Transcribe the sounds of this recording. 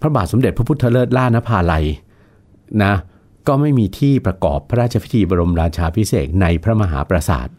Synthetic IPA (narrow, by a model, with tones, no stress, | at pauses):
pʰɾa˦˥baː˨˩t̪̚so˩˦mde˨˩t̪̚pʰa˦˥pʰu˦˥t̪ʰːa˧lɤː˥˩t̪̚laː˥˩na˦˥pʰaː˧la˧j | na˦˥ | kɔː˥˩ma˥˩jmiː˧t̪ʰiː˥˩pɾa˧kɔ̰ː˨˩pʰːa˦˥ɾaː˥˩t̪̚t͡ɕʰa˧pʰi˦˥t̪ʰiː˧bɔː˧ɾo˧mɾaː˧t͡ɕʰaː˧pʰi˦˥sḛː˨˩k̚na˧jpʰɾa˦˥ma˧ɦa̰ː˩˦pɾa˧sa̰ː˨˩t̪̚